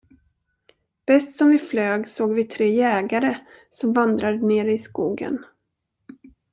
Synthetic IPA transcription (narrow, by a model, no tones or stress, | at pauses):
b̥ɛst̪sɔmvɪfløːɡsoːɡvɪt̪ʰɾeːjɛːɡaɾəsɔmvand̪ɾad̪əneːɾəɪskuːɡə̰n